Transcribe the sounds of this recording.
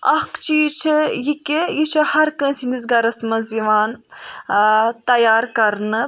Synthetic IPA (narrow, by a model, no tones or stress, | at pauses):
ɐkt͡ʃʰiːt͡ʃʰijikʲijit͡ʃʰihɐɾkə̃ːsinizɡɐɾɐsmɐziʋaːn | t̪ɐjaːɾkɐɾnɨ